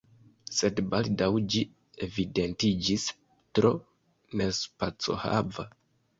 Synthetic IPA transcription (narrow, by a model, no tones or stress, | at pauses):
se̞dbaldawd͡ʒi | e̞vide̞ntid͡ʒis | tɾo̞ | nespat͡so̞̰ha̰va